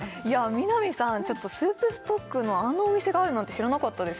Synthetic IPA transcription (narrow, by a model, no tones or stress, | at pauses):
iamʲinamʲisãɲt͡ɕo̞t̪ːo̞sɨːpɯ̟sɨ̥t̪o̞kːɯ̟no̞ãnːoːmʲise̞ɡaːɾɯ̟not̪ːe̞ɕiɾanakat̪ːad̪e̞s